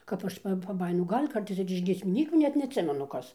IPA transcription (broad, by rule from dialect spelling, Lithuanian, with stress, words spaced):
kɐp ˈɐʃ pɐ pɐˈbɑːjɪnʊ ˈɡɐlʲ ˈkɐrtɐɪs ɪr ɪʃ ɡʲiɛsʲmʲɪˈnʲiːkʲuː ˈnʲɛt nʲɛɐtʲˈsʲɪmʲɛnʊ ˈkɐs